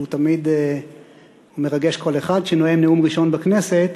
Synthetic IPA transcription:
ut̪amid̪ | humeʁaɡeʃko̞leχad̪ʃenoemniumʁiʃo̞nbakne̞se̞t̪

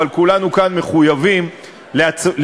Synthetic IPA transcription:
alkulanukanmeχujavim | leal

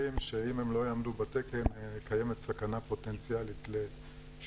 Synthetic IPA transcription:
imʃeimhemlo̞jaːmd̪ubat̪ekemkajemet̪sakanapo̞tent͡sijalit̪le

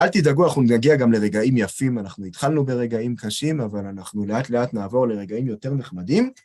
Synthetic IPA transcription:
altidaɡuanaχnunaɡiaɡamle̞ʁe̞ɡaimjafimanaχnuit̪χalnube̞ʁe̞ɡaimkaʃimavalanaχnuleatle̞atnaːvo̞ʁle̞ʁe̞ɡaimjote̞ʁneχmadim

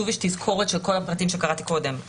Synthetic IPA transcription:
uviʃtizkʰo̞ʁet̪ʃelko̞lapʁatimʃe̞kaʁat̪i̥ko̞d̪e̞m

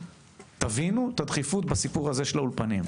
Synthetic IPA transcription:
t̪avinut̪ad̪χifut̪̚basipuʁaze̞ʃe̞laulpanim

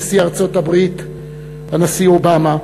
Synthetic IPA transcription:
siaʁt͡so̞tabʁit̪ | hanasiobama

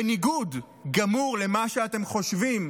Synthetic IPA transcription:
niɡud | ɡamuʁle̞maʃeate̞mχo̞ʃvim

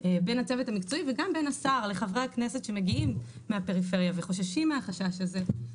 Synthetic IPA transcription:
ebenat͡sevetamikt͡so̞iveɡambenasaʁle̞χavʁeaknesetʃe̞meɡiimː | eapeʁife̞ʁjaveχo̞ʃaʃimːeaχaʃaʃaze̞

